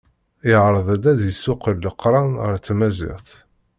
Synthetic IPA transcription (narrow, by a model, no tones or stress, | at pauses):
ɪʁɾˤəðˤæd̪æd̪jəsːʊqəlːəqːɾˤɑnʁəɾt̪ːmæzɪ̰ʁθ